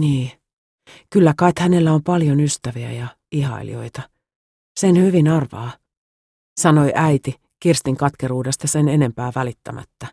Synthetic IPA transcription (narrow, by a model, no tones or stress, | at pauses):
niː | kylːækɑit̪hæne̞lːæompɑljonyst̪æʋiæ̰jɑ | ihɑ̰ḭlḭo̞̰it̪ɑ | senhyʋinɑrʋɑ̰ː | sɑno̞iʔæit̪i | kirst̪iŋkɑt̪keɾuːdest̪ɑsenene̞mpæːʋælit̪ːæ̰mʔæ̰t̪ːæ